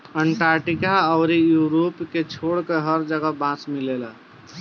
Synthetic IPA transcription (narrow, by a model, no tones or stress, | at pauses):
əɳʈaɾʈikaəʊɾijuɾopket͡ʃʰoɽkeɦəɾd͡ʒəɡəbãt͡ʃmilela